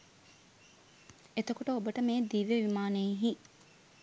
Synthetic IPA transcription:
et̪ɐkoʈəobəʈəmeːd̪iːʋeʋimaːneɦi

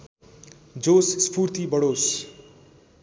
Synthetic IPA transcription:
d͡zosspʰurt̪ibʌɽos

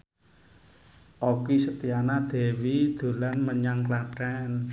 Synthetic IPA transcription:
ʔɔkisət̪ijanad̪̥e̤wid̪̥o̤lanməɲaŋklaɖ̥an

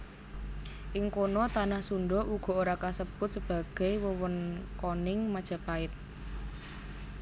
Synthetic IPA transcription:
ʔɪŋkonɔt̪anahsuɳɖɔʔuɡ̥ɔ̤oɾakasəb̥ʊt̪̚səb̥ä̤ɡ̥ɛjwəwənkonɪŋmad̥ʒ̥ä̤paɪt̪̚

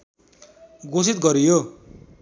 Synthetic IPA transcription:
ɡosit̪̚ɡʌɾijo

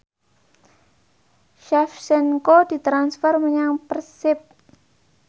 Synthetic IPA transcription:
ʃɛfsɛnkod̪̥i̤t̪ɾansfərməɲaŋpərsɪp̚

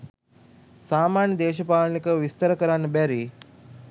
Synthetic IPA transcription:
saːmaːɳjəd̪eːʃɐpaːɭnikəʋist̪ɐɾəkɐɾanɐbɛɾi

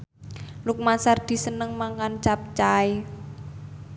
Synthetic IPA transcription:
luk̚masard̪̥i̤sənəŋmaŋkant͡ʃap̚t͡ʃae

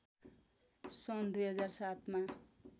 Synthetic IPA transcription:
sʌnd̪ujɦʌd͡zarsat̪ma

